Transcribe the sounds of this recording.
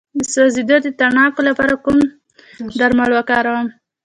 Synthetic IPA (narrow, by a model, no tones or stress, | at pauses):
əsozid̪od̪ət̪aɳɑkolapɑɾakum | d̪aɾmalwakɑɾawəm